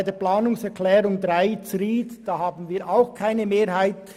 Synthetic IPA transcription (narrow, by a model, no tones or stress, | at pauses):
ɪdeːɐpl̥aːnʊŋsɛkʰlɛːɾʊŋdʁaɪt͡sɾiːtd̥aːhaːbn̩viːɐʔaʊxkʰaɪnəmeːɾhaɪt̚